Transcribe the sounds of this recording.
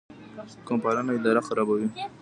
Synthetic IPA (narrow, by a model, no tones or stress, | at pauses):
kompaɾanaɪd̪ɑɾaxaɾabawi